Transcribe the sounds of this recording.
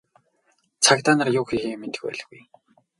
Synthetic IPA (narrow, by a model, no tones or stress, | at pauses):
t͡sʰakt̪aːnə̆rjʊːxixiːment̪ɘ̆xpæ̰ːɮ̆xɣuj